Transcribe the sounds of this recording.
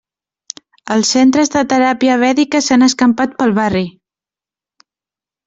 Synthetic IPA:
əlˠsːent̪ɾəzðət̪əɾapiəβɛðikəsanəskəmpat̪̚pəlˠβari

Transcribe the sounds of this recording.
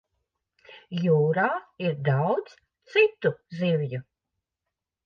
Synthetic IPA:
juːɾaːiɾd̪awdt̪s | t̪sit̪uzivju

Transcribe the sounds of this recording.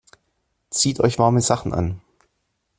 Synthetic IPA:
t͡siːtʔɔʏçv̥aɐməzaχn̩ʔa̰n

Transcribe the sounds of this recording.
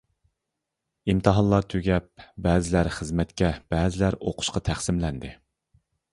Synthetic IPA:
imt̪ʰɨɦɑnlˠɑɾt̪ʰøɡʲɛp̚bɛːzɪlæɾχəzmɛt̪kʲɛb̥ɛːzɪlæɾoqʰʊ̥ʃqɑt̪ʰæχsɪmlɛnd̪ɪ

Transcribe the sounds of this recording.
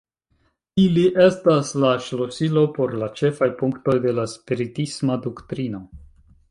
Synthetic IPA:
iliʔe̞staslaʃlosilo̞po̞ɾlat͡ʃe̞fajpuŋkto̞jde̞laspiɾitismadoktɾino̞

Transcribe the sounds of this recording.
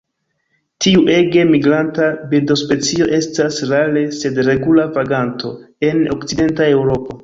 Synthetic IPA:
tiuʔe̞ɡe̞miɡɾantabildo̞spe̞t͡sio̞ʔe̞stasɾale̞se̞dɾe̞ɡulavaɡantʰo̞ | e̞nokt͡side̞ntae̞wɾo̞po̞

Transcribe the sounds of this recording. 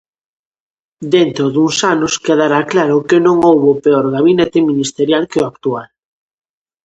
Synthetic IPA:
d̪ent̪ɾʊðuŋsanʊskeðaɾaklaɾʊkɪnõŋowβopeɔɾɣaβinet̪ɪminist̪eɾjalkɪʊakt̪ual

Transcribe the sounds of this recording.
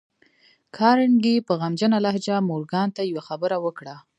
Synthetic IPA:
kʰɑɾɪnɡipəɣamd͡ʒənalaɦd͡ʒamoɾɡɑnt̪ajawaxabəɾawəkɽa

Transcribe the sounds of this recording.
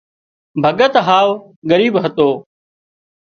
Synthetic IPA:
bʱəɠət̪ɦaːʋ | ɡəɾiːbɦət̪oː

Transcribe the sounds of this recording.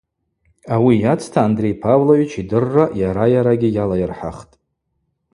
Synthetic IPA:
awijat͡sʰtʰaːndre̞jpʰavloɥit͡ʃʰidɨrːajaɾajaɾaɡʲijalajɪrħa̰χtʼ

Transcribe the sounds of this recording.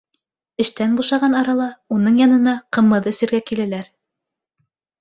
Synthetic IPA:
ɘ̆ʃt̪ænbuʃɑʁɑnɑɾɑlˠɑunɤɴjɑnɤ̆nɑqɤ̆mɤðɘ̆sɘ̆ɾɡækilælæɾ

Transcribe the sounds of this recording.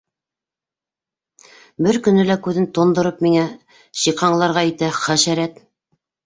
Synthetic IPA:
bɘɾkɵ̆nɘ̆lækʉðɘnt̪ŏnd̪ŏɾɤpmiŋæ | ɕiqɑɴlˠɑɾʁɑit̪æχæʃæɾæt̪

